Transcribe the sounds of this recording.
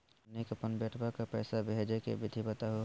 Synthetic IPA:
neːkəpənbeʈʰbakapɛːsabeɦed͡ʒekḛbɪd̪ʱibət̪aɦo

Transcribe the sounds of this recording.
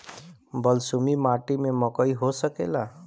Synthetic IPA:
bəlsumimaʈimeməkəiɦosəkḛla

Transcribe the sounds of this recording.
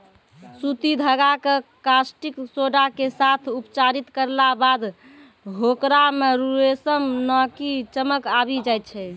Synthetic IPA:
sut̪id̪ʱəɡakekasʈiksoɖakesat̪ʰupt͡ʃaɾit̪kəɾlabad̪ | ɦokɾameɾuɾesəmnɔkit͡ʃəməkabid͡ʒajt̪̚t͡ʃʰɛ

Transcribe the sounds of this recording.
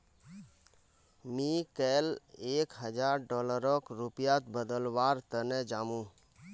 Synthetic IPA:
mĩkɛleːkɦəd͡ʒaɾɖɔləɾɔkɾupijat̪bəd̪əlwaɾt̪ənɛd͡ʒaːmũ

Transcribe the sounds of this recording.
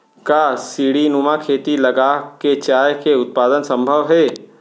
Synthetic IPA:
kasiːɽinumakʰeːt̪ilɐɡaket͡ʃaːjkeʊt̪̚paːd̪ənsə̃mbʱəʋɦɛː

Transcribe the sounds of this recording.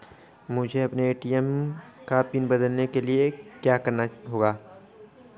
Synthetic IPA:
mʊd͡ʒʱeɐpneeːʈijəmkapinbɐd̪əlnekeliekjaːkɐɾnaɦoːɡaː

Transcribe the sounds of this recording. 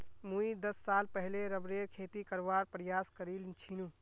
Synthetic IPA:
muid̪əsːalpəɦleɾəbɾeɾkʰet̪ikəɾbaɾpɾəjaskəɾilnt͡ʃʰinu

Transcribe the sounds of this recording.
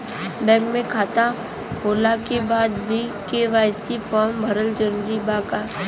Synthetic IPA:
bɛ̃ːŋɡmẽkʰaːt̪a | hoːlakebaːd̪bʱikeʋaːjsifʰɔːɾmbʱɐɾəld͡ʒəɾuːɾibaːkaː

